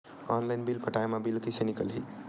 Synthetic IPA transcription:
ɔnlaɪnbilpəʈajmabilkisenikəlɦḭ

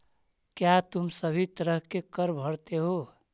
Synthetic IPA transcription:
kjat̪umsəbʱit̪əɾəɦkekəɾbʱəɽt̪eɦo

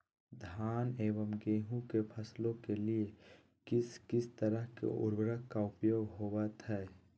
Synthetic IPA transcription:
d̪ʱaːneːʋəmɡeːɦũkepʰɐslõkelie | kɪskɪst̪əɾəɦkḛʔʊ̰ɾbɾəɦkaʊpjoːɡɦoːwat̪ʰɛɛ

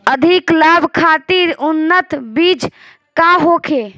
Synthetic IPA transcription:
əd̪ʱiklaːbʱkʰat̪iɾunːət̪bid͡ʒ | kaɦokʰe

